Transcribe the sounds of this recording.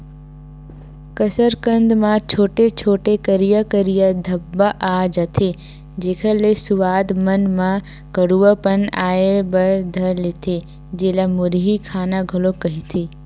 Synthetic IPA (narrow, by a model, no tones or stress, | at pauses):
kəsəɾkə̃nd̪mãt͡ʃʰoːʈet͡ʃʰoːʈekəɾijəkəɾijəd̪ʱəbːaʔad͡ʒət̪ʰe | d͡ʒeːkʰəlesʊʋaːd̪mənmã | kəɽuʋəpənaːebəɾd̪ʱəɾlet̪ʰe | d͡ʒeːlamʊɾɦikʰaːnaɡʱɐlokəɦit̪ʰe